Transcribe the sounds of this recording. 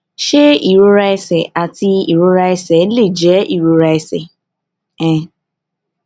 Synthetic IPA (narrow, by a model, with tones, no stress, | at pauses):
ʃe˦i˨ɾo˦ɾa˦i˦sɛ˨ʔa˨ti˧i˨ɾo˦ɾa˦i˦sɛ˨˦le˦˨d͡ʒɛ˨˦ʔi˨ɾo˧ɾa˦i˦sɛ˨ | ɛ̃˦˨